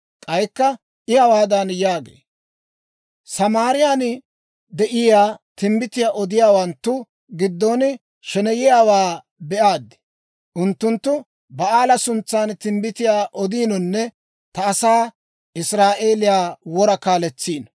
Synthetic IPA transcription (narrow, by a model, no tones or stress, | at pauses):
kʼɐjkːɐ | ʔɪjawaːd̪ɐnjaːɡḛː | sɐmaːɾɪjaːn | d̪ɛʔɪjaːt̪ɪmbɪt̪ɪjaːʔɔd̪ɪjaːwɐnt̪ːʊ | ɡɪd̪ːɔnɪ | ʃɛnɛjɪjaːwaː | bɛʔaːd̪ːɪ̥ | ʔʊnt̪ːʊnt̪ːʊ | bɐʔaːlɐsʊnt͡sːaːnt̪ɪmbɪt̪ɪjaːʔɔd̪iːnɔnːɛ | t̪ɐːsaː | ʔɪsɾaːʔe̞ːlɪjaːwɔɾɐkaːlɛt͡sːiːn